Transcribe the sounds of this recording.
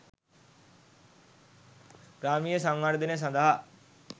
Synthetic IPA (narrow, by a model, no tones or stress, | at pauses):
ɡ̥ɾaːmijesɐ̃ŋɡaɾd̪ɪnes̬ɐ̃nd̪əɦa